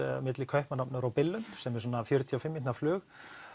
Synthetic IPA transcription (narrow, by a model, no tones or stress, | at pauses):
mɪt̪lɪkʰœhpmanapnʏɾawpɪlːʏnt̪sɛmɛɾs̬ɔːnafjœɾʏt̪ʰiafɪmːint̪naflʏːx